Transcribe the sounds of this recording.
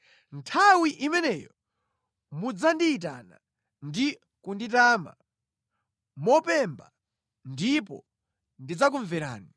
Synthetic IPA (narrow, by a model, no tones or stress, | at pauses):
ntʰawiʔimɛnɛjɔ | mud͡zandiːt̬a̰na | ndi | kunditaːma̰ | mɔpɛmba | ndipɔ̰ | ndid͡zak̬uɱvɛɾa̰ːni